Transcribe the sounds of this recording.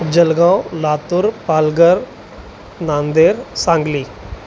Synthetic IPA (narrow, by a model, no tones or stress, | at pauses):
d͡ʒəlɡãːolaːt̪ʊɾpaːlɡəɾ | naːnd̪eːɾsãːŋɡliː